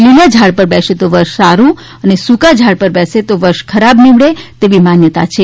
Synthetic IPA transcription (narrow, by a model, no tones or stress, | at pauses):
lilad͡ʒʱaɽpəɾbɛʃet̪oʋəɾʃsaɾũ | ənesukad͡ʒʱaɽpəɾbɛset̪oʋəɾʃkʰəɾabniʋɽet̪eʋimanjət̪a̰t͡ʃʰe